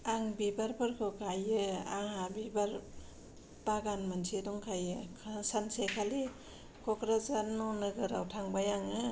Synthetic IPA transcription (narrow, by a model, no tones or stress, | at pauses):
aŋbibaɾpʰɯɾkʰɯkʰajɯa̰ŋhabibaɾ | baɡanmansʰidɔŋkʰajɯkʰsansekʰali | kʰɔkɾazanɔnɯɡɯɾawtʰaŋbajaŋɯ